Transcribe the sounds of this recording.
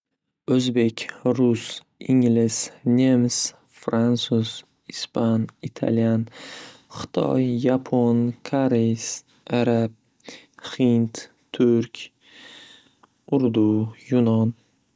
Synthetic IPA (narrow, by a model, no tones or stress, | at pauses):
ɵzbe̞kʲɾʊs | ɪŋlɪsnʲems | fɾansuz̥ | ɪspanɪt̪ʰa̰ljanχɨ̥t̪ʰɒ̰jːapʰonkʰaɾejs | ʔaɾab̚ | hɪnt̪ | t̪ʰːʊɾkʲ | ʊɾd̪ujʊnɒn